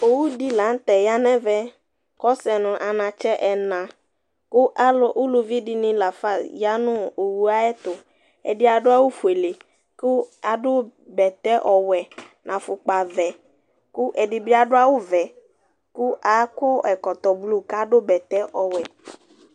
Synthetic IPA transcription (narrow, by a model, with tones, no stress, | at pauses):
o˨wu˦di˦lã˨˦n̩˦t̪ɛ˨ja˦nɛ̃˦vɛ˦ | kɔ˦sɛ˨nʊ̃˨ʔa˨nã˨t͡ʃɛ˦ʔɛ˨nã˨ | kʊ˦ʔa˦lɔ˦ʔʊ˦lʊ˨vi˦dɪ˦nɪ̃˦la˨fa˦sja˦nʊ̃˦o˨wu˨a˦ɛ˦t̪ʊ˨ | ɛ̰˨dɪ˦a˨ɖʊ˦a˦wʊ˦fu˨e˨le˨ | kʊ˦a˨dʊ˦bɛ˨t̪ɛ˦ʔɔ˨wɛ˨ | nʔã˨fʊ˨k͡pa˨vɛ˨ | kʊ˦ʔɛ˨dɪ˨bɪ˦a˨ɖʊ˦a˦wʊ˦vɛ˨ | kʊ˦ʔa˨˦kɔ˦ʔɛ˨kɔ˨t̪ɔ˨blu˦ka˦ɖʊ˦bɛ˨t̪ɛ˦ʔɔ˨wɛ˨